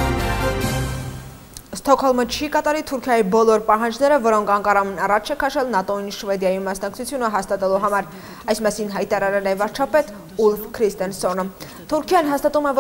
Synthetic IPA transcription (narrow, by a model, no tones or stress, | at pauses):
st̪ɔkʰɔlmət͡ʃʰikɑt̪ɑɾit̪ʰuɾkʰjɑjibɔlɔɾpɑɦɑnd͡ʒnɛɾəvɔɾɔŋkʰɑŋkʰɑɾɑmɛnɑrɑt͡ʃʰɛkʰɑʃɛlnɑt̪ɔinʃvɛd̪jɑjimɑsnɑk̚t͡sʰut͡sʰjunəɦɑst̪ɑt̪ɛluɦɑmɑɾ | ɑjsmɑsinɦɑjt̪ɑɾɑɾɛlɛvɑɾt͡ʃʰɑpɛt̪ | ulfkʰɾist̪ɛnsɔnə | t̪ʰuɾkʰjɑnɦɑst̪ɑt̪umɛv